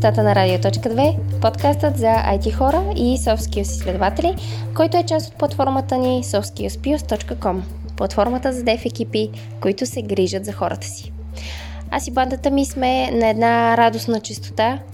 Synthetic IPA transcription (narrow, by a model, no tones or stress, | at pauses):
t̪at̪ənɐɾad̪iot̪ɔt͡ʃkəd̪vɛpot̪kast̪ət̪zɐa̰jt̪ixɔɾəisɔfskiosislɛd̪ovat̪ɛli | kɔjt̪oɛt͡ʃast̪o̥t̪̚plˠɐt̪fɔɾmət̪ənisɔfskiospiost̪ɔt͡ʃkəkɔm | plˠɐt̪fɔɾmət̪əzɐd̪ɛfɛk̟ipi | koit̪ʊsɛɡɾiʒət̪zɐxɔɾət̪ə̥si̥ | a̰siband̪ət̪əmismɛnɐɛd̪naɾad̪osnət͡ʃist̪o̥t̪a